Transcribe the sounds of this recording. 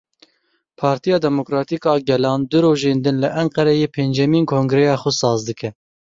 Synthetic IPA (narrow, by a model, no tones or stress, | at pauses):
pʰɑːɾt̪ijɑːd̪ɛmokɾɑːt̪iːkɑːɡɛlɑːnd̪ʊɾoːʒeːnd̪ɨnlɨʔɛŋqɛɾɛjeːpʰeːnd͡ʒɛmiːnkʰoːŋɡɾɛjɑːxʊsɑːzd̪ɨkɛ